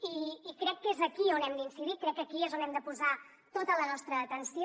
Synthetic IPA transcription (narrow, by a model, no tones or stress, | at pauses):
iːkɾɛkːezəkionɛmd̪insiðikɾɛkːəkiezonɛmd̪əpuza | t̪ot̪ələnɔst̪ɾəːt̪ənsi